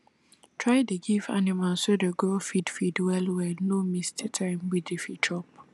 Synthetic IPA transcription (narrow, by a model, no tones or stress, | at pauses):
tʰɹaɪdeɡiva̰nimalsodeɡolfidfidwɛlwɛnomisttʰãɪmwidefitʰɔp